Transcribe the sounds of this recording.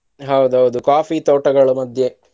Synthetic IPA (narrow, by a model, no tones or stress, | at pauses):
ɦɐwd̪uɦɐwd̪ukaːfit̪oːʈɐɡɐɭumɐd̪ʱje